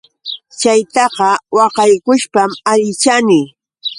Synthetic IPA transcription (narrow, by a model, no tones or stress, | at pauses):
t͡ʃajt̪ɑqɑwɑqɑjkʊʃpamaʎɪt͡ʃanɪ